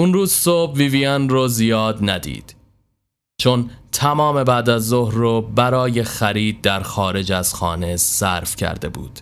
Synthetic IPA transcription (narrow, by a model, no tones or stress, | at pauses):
ʔunruːzsobviːviænrozijɒːd̪næd̪ḭːd̪̥ | t͡ʃʰont̪ʰæmɒːme̞bæːd̪æzːohɾːobæɾɒːje̞xæɾiːd̪̚ːæɾxɒːɾe̞d͡ʒæz̥xɒ̰ːne̞zsæɾfcʰæ̰ɾd̪e̞̰bṵːd̪̥